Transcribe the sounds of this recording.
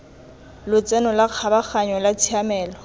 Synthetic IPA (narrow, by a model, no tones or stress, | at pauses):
lʊt͡sʼɛnɔlaq͡χʰabak͡xaɲɔlat͡sʰiamɛːlɔ